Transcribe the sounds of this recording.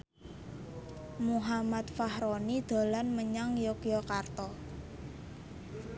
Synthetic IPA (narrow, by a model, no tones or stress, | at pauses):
muɦamat̪fahɾɔnid̪̥a̤lanməɲaŋjɔkjɔkart̪ɔ